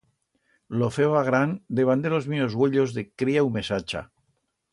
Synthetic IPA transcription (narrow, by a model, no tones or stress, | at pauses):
lofeβaɣɾand̪eβand̪elozmiozɣweʎozðekɾiaumesat͡ʃa̰